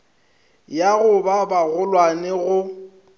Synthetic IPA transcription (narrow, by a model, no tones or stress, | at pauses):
jaɣʊbabaɣʊlwanɛɣʊ